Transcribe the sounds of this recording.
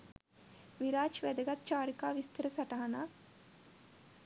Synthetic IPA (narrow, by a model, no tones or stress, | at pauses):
ʋiɾaːt͡ʃʋæd̪əɡat̪t͡ʃaːɾikaːʋist̪əɾəsaʈaɦanaː